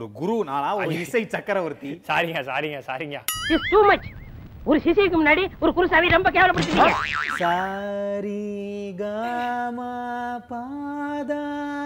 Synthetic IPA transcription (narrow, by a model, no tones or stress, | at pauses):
ɔɾɯɡʊɾuna̰ːɭaːɔɾɪsɐɪt͡ʃɐkːɐɾɐʋɐɾɯt̪ːisaːɾiŋaːsa̰ːɾiŋɡaːsa̰ːɾiŋɡa̰ːɪsʈuːmɐt͡ʃ | ɔɾɯsɪsiɪkːɯmʊnːaːɽiɔɾɯkʊɾusaːʋiɾɔmbɐk̬eːʋɐlɐpɐɽt̪ːɯkːɐsɐɾiɡama | pa | d̪a